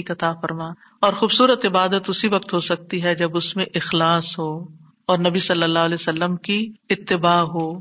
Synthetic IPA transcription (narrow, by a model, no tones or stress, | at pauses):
kɐt̪afɐɾmaː | ɔːɾxuːbsuːɾət̪ɪbaːd̪ət̪ʊsiʋɐk̚t̪ɦosɐk̚t̪iɦɛd͡ʒɐbʊsmẽʔɪxlaːsɦoː | ɔːɾnɐbisɐlːəlːaːɦəleːsəlːəmkiɪt̪ːɪbaːɦoː